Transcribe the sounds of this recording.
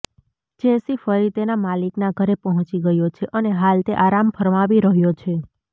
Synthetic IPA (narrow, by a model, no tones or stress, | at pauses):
d͡ʒesifəɾit̪enamaliknaɡʱəɾepəɦɔ̃t͡ʃiɡəjot͡ʃʰeʔəneɦalt̪eʔaɾamfʰəɾʋaʋiɾəɦjot͡ʃʰe